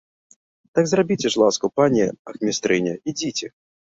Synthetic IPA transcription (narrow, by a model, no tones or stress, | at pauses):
t̪aɡzrabʲit͡sʲɛʂlˠaskupanʲɛɐxmʲist̪ɾɨnʲɐid͡zʲit͡sʲɛ